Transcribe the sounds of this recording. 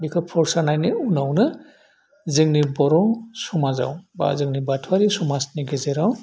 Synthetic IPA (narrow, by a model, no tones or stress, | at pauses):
bikʰɔpʰɔɾsanajniunawnɯ | zɯŋnibɔɾɔsɔmaza̰wba̰zɯŋnibatʰwaɾisɔmasniɡɛzɛɾaw